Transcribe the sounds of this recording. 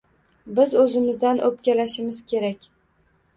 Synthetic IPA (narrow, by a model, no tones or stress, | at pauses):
bɪzɵzɪmɪzd̪anʔɵpkʲalaʃɪmɪzkʲʰe̞ɾakʲ